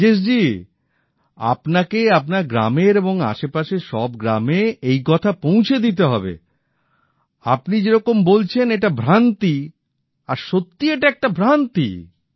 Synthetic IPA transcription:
eʃ̬d͡ʑi | a̰pnakeapnaɾɡɾa̰meɾeboŋa̰ʃepaʃeʃɔbɡɾameejkɔt̪ʰapõw̃t͡ɕʰed̪it̪̬eɦɔ̰bḛ | apnid͡ʑeɾɔkombolt͡ɕʰeneʈabʱɾant̪i | aɾʃot̪ːieʈaɛk̚ʈabʱɾant̪ḭ

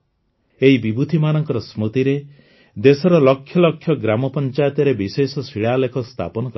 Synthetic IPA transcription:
eɦibibud̪ʱimanɔŋkɔɾɔsmut̪iɾe | d̪esɔɾɔlɔkʰːjɔlɔkʰːjɔɡɾamɔpɔnt͡ʃajɔt̪jɔɾebisesɔsiɭalekʰɔst̪ʰa̰pɔnɔkɔ

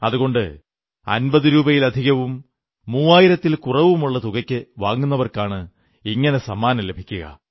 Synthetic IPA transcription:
ɐðuɣo̞ɳɖɨ | ɐ̰nbɐðɨɾuːbɐjilɐd̪ʱiɣɐʋumː | uːaːjiɾɐt̪ːilkurɐʋumuɭːɐt̪uɣɐkʲːɨʋaːŋːunːɐʋɐrkaːɳɨ | iŋːɐne̞sɐmːaːnɐmle̞bʱikʲːuɣɐ̰

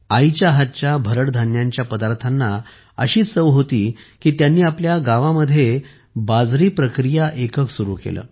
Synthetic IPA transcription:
ajt͡ɕaɦat͡ɕjabʱəɾəɽd̪ʱanjaɲt͡ɕjapəd̪aɾt̪ʰanːa | əɕiːt͡ssəʋɦot̪iːkiːt̪janːiːapljaɡaʋaməd̪ʱːje | bad͡zɾiːpɾəkɾijaʔekəksuɾṵːkḛlə̰ː

